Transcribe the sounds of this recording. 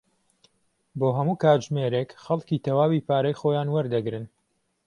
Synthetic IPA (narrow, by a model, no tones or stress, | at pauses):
boːɦɐmuːkaːtʒmeɾekxɐlˠkit̪ɐwaːwiːpaːɾɐjxoːjaːnwɐɾd̪ɐɡɾɨn